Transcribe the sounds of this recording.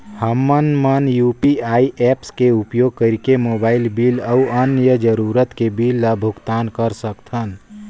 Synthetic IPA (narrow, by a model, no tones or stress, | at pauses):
həmːənmənjupiaːiʔɛːpskeupjoːɡ̚kəɾikemoːbaːɪlbiːləuʔənjəd͡ʒəɾuːɾət̪kebiːlːabʱʊɡt̪aːnkəɾsəkt̪ʰən